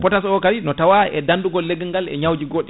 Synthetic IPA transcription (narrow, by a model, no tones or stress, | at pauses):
pɔtasɔkaɾinɔtawaɛ̰danduɡɔlːeɡiŋɡalɛ̰ɲawd͡ʒiɡoɗi